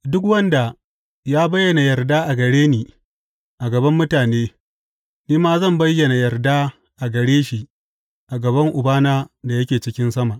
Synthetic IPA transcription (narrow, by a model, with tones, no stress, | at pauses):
dʊ˦k̬wɐ˦nda˨ | jaː˦bɐ˦jːɐ˨na˨jɐ˨rdaː˦ʔa˨ɡɐ˨ɽeː˦niː˨ | ʔa˨ɡɐ˨bɐ˦mːʊ˦taː˨neː˦ | niː˦maː˦zɐ˦˨mbɐ˦jːɐ˨na˨jɐ˨rdaː˦ | ʔa˨ɡɐ˨ɽeː˦ʃi˨ | ʔa˨ɡɐ˨βɐ˦ŋʔʊ˨baː˦naː˦da˨jɐ˦kʲeː˨t͡ʃɪ˦kʲɪ˦nsɐ˦ma˨ʔ